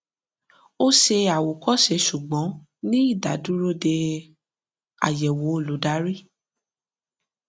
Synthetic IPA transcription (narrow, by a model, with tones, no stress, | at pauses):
o˦ʃe˧a˨wo˨kɔ˦˨ʃe˨˧ʃu˨ɡ͡bɔ̃˨˦ | nĩ˦i˦˨da˨du˦ɾo˦de˧ | a̰˨jɛ˨wo˨˦o˦˨lo˨˦da˨˦ɾi˦˨